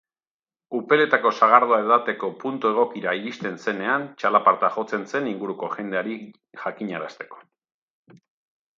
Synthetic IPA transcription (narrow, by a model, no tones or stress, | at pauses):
upe̞le̞t̪ako̞saɣ̞aɾð̞oaeðat̪e̞ko̞punt̪ue̞ɣ̞o̞kiɾaiɾist̪e̞nse̞ne̞ant͡ʃalapaɾt̪axo̞t͡se̞nse̞niŋɡuɾuko̞ʝe̞nd̪e̞aɾi | ʝakiɲaɾast̪e̞̥ko̞̥